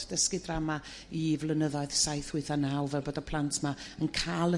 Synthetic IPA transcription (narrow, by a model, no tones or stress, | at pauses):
d̥əskɪdrama | ivlˠənəðɔɨð̥sajθhɪɨθanawvɛbɔdɔpʰl̥ˠantʰmaənkʰalˠə